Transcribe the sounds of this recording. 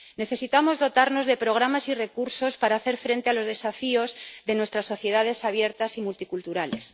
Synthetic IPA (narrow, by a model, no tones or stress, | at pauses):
ne̞θe̞sit̪amo̞zðo̞t̪aɾno̞zðe̞pɾo̞ɣ̞ɾamasire̞kuɾso̞spaɾaːθe̞ɾfɾe̞nt̪e̞alo̞zðe̞safio̞zðe̞nwe̞st̪ɾasːo̞θje̞ðað̞e̞saβ̞je̞ɾt̪asimult̪ikult̪uɾale̞s